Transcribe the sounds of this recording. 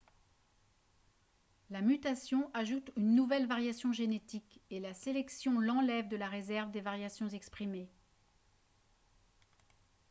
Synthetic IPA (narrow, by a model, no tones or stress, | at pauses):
lamyt̪asjɔ̃ʔaʒut̪ynːuvɛlvaʁjasjɔ̃ʒenet̪ikelaselɛksjɔ̃lɑ̃lɛvd̪əlaʁezɛʁvd̪evaʁjasjɔ̃zɛkspχime